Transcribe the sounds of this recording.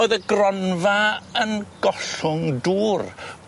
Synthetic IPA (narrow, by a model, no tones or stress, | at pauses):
ɨðəɡrɔnvaənɡ̥ɔɬʊŋduːr